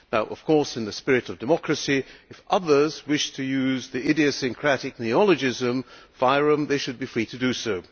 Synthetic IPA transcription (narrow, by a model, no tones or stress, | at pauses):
ðəʊʔʌ̰v̥kʰɔɹsɨ̃nðɨspɪɹɨɾʌvdɨmɑkɹɨsiɨfʔʌðə˞zwɪʃtʰɨjʉzðiɪɾiɨsɨ̃ŋkʰɹ̥æɾɨk̚niɑlˠɨd͡ʒɪzɨ̃mfaɪɹə̃mðeɪʃɨd̚bifɹiɾɨdɨsoʊ